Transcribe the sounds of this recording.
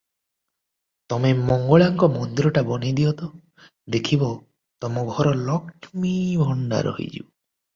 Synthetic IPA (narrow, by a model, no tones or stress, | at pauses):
t̪ɔmemɔŋɡɔɭaŋkɔmɔnd̪iɾɔʈabɔnid̪iɔt̪ɔ | d̪ekʰibɔ | t̪ɔmɔɡʱɔɾɔlɔkmibʱɔɳɖa̰ɾɔ̰ɦḭd͡ʒḭ